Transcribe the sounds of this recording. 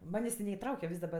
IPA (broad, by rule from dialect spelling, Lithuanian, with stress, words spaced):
ˈmɑːnʲeːsʲ tʲɪ nʲɛɪˈtrɐʊkʲɛ ˈʋʲɪs dɐˈbɐ